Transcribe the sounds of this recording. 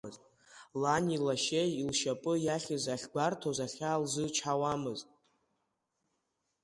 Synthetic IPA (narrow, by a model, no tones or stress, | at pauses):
ɨztʼ | lanilaʃejilʃapʼɨjaχʲɨzaχʲɡʷartʰozaχʲalzɨt͡ʃʰawamɨztʼ